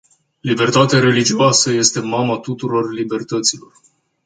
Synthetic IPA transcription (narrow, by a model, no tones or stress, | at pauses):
libe̞rt̪at̪aɾe̞lid͡ʒiuasəje̞st̪e̞mamat̪ut̪uɾo̞rlibe̞rt̪ət̪silo̞r